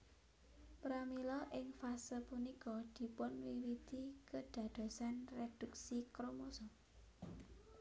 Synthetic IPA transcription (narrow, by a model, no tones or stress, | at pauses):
pɾamilɔʔɪŋfasəpunikɔd̪̥i̤pʊnwiwid̪̥ikəɖ̥ä̤d̪̥ɔ̤sanred̪̥uk̚sikɾomosɔ